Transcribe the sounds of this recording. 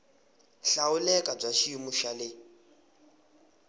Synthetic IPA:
ɬaulɛkʼab͡ʐaʃimuʃalɪ

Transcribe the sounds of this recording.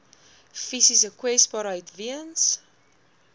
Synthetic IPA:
fisisəkwɛsbɑɾəjtviəns

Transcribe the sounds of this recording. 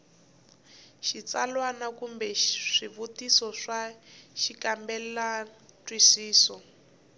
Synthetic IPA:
ʃit͡salwanakumbɛʂiβutisɔʂaʃikambɛlatwisiːsɔ

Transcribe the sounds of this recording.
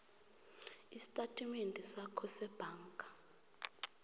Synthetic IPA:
isi̥tʼatʼimendʱɛsakʰɔsɛb̥ʱaːŋkʼa

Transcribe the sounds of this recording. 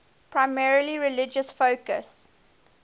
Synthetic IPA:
pʰɹaɪmɛɹəliɹɪlɪd͡ʒəsfoʊkə̰s

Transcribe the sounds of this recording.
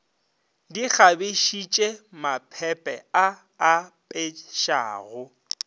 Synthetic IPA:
dik͡xʰabeʃit͡ʃʼemapʰɛpʼɛaː | pʼeʃa̰ːɣʊ

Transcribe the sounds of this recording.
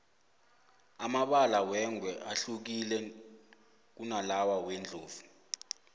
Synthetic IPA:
amaɓalawɛŋʱwɛʔaɬuk̬ilɛ | k̬unalawaweːnd͡ɮʱoːvu

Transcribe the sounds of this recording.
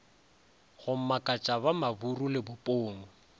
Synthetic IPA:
ɣʊm̩makʼat͡ʃʼaβamaburulɪbʊpʼoːŋʊ

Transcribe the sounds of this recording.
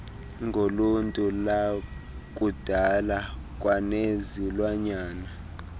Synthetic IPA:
ŋʱoluntʼula | kʼud̥ʱala | kʼwanezilwaɲaːna

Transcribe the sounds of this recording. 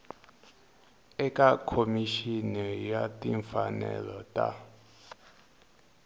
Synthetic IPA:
ɛkʼakʰomiʃinɛjatʼiɱfanɛ̰lɔtʼa

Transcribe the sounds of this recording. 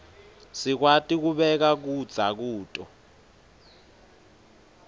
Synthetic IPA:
sik̬watʼik̬uɓɛk̬ak̬ud̥z̥ʱak̬uːtʼɔ̰

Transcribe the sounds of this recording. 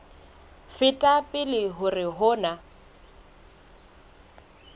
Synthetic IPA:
fɪtʼapʼɪlɪɦʊrɪɦʊːna

